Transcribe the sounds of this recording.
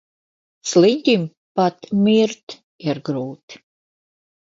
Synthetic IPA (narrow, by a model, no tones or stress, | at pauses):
slinʲt̪ʲim | pat̪mʲiɾt̪ | iɾɡɾuːt̪